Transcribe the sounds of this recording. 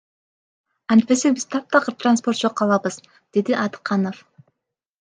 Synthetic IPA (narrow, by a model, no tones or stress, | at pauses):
ɑnt̪̚pe̞sek̚biz̥t̪ʰɑp̚t̪ɑʁɯt̪ranspo̞rt̪̚d͡ʒoqʰːɑlˠɑbɯz | d̪̥e̞d̪iʔɑd̪ɨ̥qːɑnof